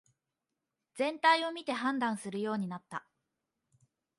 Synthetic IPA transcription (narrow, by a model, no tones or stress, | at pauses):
d͡zẽ̞nt̪aio̞mʲit̪e̞ɦãnd̪ãɰ̃sɨɾɯ̟jo̞ːɲ̟inat̪ːa